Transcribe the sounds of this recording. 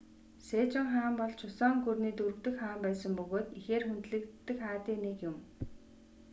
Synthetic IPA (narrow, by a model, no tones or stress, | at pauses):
seːt͡ɕɪ̆ŋχaːmpɔɮt͡ɕʰʊsɔːŋɡurniːt̪urɵ̆kt̪ɘ̆kχaːmpæːsə̆mpɵɣoːt̪ixeːrxunt̪ɮɘ̆kt̪ːɘ̆kχaːt̪iːnekjʊm